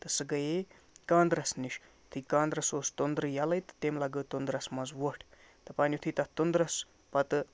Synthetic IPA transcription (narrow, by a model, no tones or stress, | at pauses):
t̪ɨsɨɡɐje | kãːnd̪ɾɐsniʃ | t̪ʰikãːnd̪ɾɐsoːst̪ond̪ɾɨjalɐjt̪ɨ̥t̪emlɐɡət̪ond̪ɾɐsmɐzʋəʈʰ | t̪ɨpaːnʲjut̪ʰit̪ɐt̪ond̪ɾɐs | pɐt̪ɨ